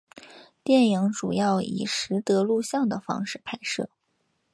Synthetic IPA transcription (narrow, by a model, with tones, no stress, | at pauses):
t̪jɛ˥˩ni˧˥ŋʈ͡ʂu˨˩jɑ˥˩ʊḭ˨˩ʂɻ̩˧˥t̪ɤ˧˥lu˥˧ɕjɑ˥˩ŋd̪ə˩fɑ̰˥ŋʂɻ̩˥˩pʰa˥˧ɪʂɤ̰˥˩